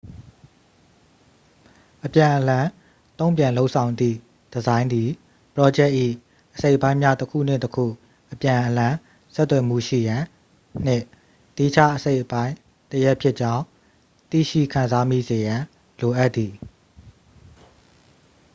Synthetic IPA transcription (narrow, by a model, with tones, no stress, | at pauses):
ʔəpjã˨ʔəlã˨ | t̪õ˦ʊ̃mpjã˨lo˦ʊʔsʰã˨ʊ̃nd̪ðḭ˦˨ | d̥əzã˦ɪ̃nd̪i˨ | pəɹɔ˦d͡ʑɛ˦ʔːḭ˦˨ | ʔəse˦ɪʔpã˦ɪ̃mja˦təkʰṵ˦˨n̥ɪ̰̃˦˨təkʰṵ˦˨ | ʔəpjã˨ʔəlã˨ | sɛ˦t̪ːwɛ˨mṵ˦˨ʃḭ˦˨jã˨ | n̥ɪ̰̃˦˨ | t̪i˦˨t͡ɕʰa̰˦ʔəse˦ɪʔəpã˦ɪ̃ | təjɛ˦ʔpʰjɪ˦ʔt͡ɕã˦ʊ̃ | t̪ḭ˦˨ʃḭ˦˨kʰã˨nza˦mi˦˨ze˨jã˨ | lo˨ʔa˦t̪t̪ːi˨